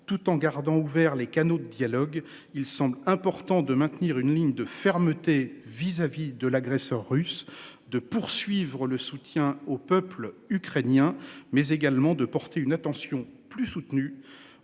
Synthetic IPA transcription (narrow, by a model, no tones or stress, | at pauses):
t̪ut̪ɑ̃ɡaʁd̪ɑ̃uvɛʁlekanod̪əd̪jalɔɡ | ilsɑ̃blɛ̃pɔʁt̪ɑ̃d̪əmɛ̃t̪niʁynliɲd̪əfɛʁmət̪e | vizavid̪əlaɡʁɛsœʁːysd̪əpuʁsɥivʁələsut̪jɛ̃opœplykχenjɛ̃mɛzeɡalmɑ̃d̪əpɔʁt̪ʰeynat̪ɑ̃sjɔ̃plysut̪ny